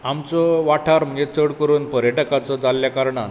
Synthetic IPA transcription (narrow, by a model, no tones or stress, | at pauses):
amt͡sɔʋaʈʰaɾm̤əɲd͡ʑet͡səɽkəɾuːnpəɾjəʈəkat͡sɔd͡zalːjakaɾɳa